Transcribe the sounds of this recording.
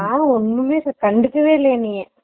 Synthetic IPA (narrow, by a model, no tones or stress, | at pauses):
aːɔnːɯmeːskɐɳɖɯkːɯʋeːleːnijɐ̃